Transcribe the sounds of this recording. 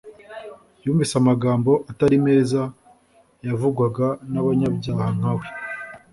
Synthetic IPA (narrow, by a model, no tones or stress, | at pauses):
juːɱvisamaɡaːmbo̞ʔataɾime̞ːza | javuɡwaɡanaβaɲabɟaːhaŋ̥awe